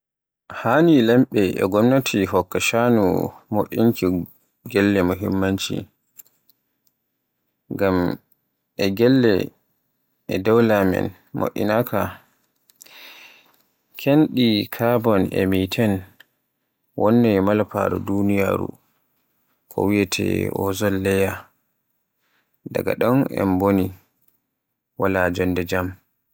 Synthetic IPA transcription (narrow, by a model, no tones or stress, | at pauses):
hanilɛmɓɛʔɛ̰ɡɔmnatʰiɦɔkːaʃanṵmoʔːinki | ɡɛlːɛmuɦimːaɲt͡ʃḭ | ŋɡam | ʔɛɡɛlːɛ̰ | ɛdawlamɛ̰n | mo̰ʔːḭnaka | kʰenɗikʰabɔnɛ̰mitʰɛn | wɔnːɛmalpaɾɔdunija̰ːɾṵ | kʰɔ̰wijɛtʰɛ̰ʔɔzɔlːɛja | daɡa̰ɗɔnɛ̰mboni | walad͡ʒɔndɛd͡ʒam